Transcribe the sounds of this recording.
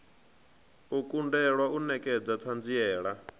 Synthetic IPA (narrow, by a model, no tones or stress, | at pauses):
ukʼundɛɺwaunɛkʼɛd͡zat̪ʰand͡ziɛːɺa